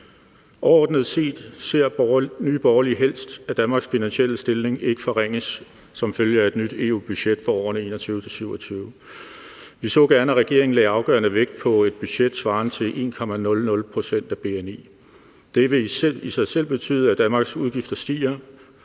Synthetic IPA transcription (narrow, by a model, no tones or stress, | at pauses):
ʔɒɒ̰ːd̥nəð̞̩ˠse̝̰ːd̥se̝ɐ̰nyːb̥ɒːɐliɦel̰sd̥æd̥ænmɑ̈ːɡ̥sfinænɕiel̰əsd̥e̝lne̝ŋe̝ɡ̥əfɒ̽ʁeŋ̰əsː | ɒ̽mføljəæe̝d̥nyd̥e̝̰ːṵːb̥y̥ɕed̥fɒɒ̰ːn̩əe̝ːnɐt͡sʰyːʊət͡sʰe̝syʊɒt͡sʰyːʊ | ʋisɔ̰̽ːɡ̥æɐnæʁɛɡ̥e̝ɐ̰eŋn̩lɛ̰ːɑ̈ʊɡ̥ɶ̰ːɐnəʋeɡ̥̚d̥̚pʰɒ̽e̝d̥̚b̥yɕed̥sʋɑ̈ːnt͡sʰe̝lʔe̝̰ːnkʰɒ̽mænɔ̽lnɔ̽lpʰʁo̝sen̰d̥æb̥e̝ene̝̰ː | d̥e̝ʋe̝isɑ̈ɪsel̰b̥e̝t͡sʰy̰ːð̩ˠæd̥ænmɑ̈ɡ̥suð̞ˠɡ̥ifd̥ɐsd̥ḭːɐ